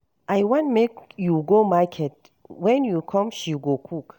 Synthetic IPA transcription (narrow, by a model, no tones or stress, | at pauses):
ʔajwɔ̃ntmekjuɡomakʰɛt̚ | wɛ̃njukʰɔ̃mʃiɡokʰuk